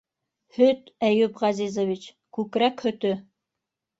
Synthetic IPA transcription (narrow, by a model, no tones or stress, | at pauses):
hɵt̪æjʉpʁɑzizovit͡ɕ | kʉkɾækhɵ̆t̪ɵ